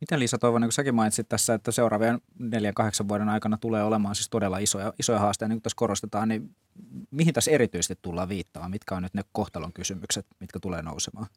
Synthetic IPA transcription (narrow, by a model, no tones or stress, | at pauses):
mit̪elisɑt̪oiʋɑniŋkusækimɑint̪sit̪t̪æsːæet̪ːæseurɑːʋiɑnneljæŋkɑheksɑʋʋuɑdenɑikɑnɑt̪uleːolemɑːnsiːst̪odelːɑisojɑisojɑhɑːst̪ejɑniŋkut̪æskorost̪et̪ɑːnni | mihint̪æseɾit̪yise̥st̪it̪t̪ulːɑːʋiːt̪ːɑɑmit̪kæonnyt̪nekoht̪ɑloŋkysymykset̪mit̪kæt̪uleːno̰usemɑ̰ːn